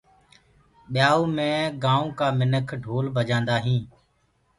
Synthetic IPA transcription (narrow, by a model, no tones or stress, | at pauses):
ɓɪjaːuːmẽːɡãːũːkaːmɪnəkʰɖʱoːlbʱəd͡ʒãːnd̪aːɦĩː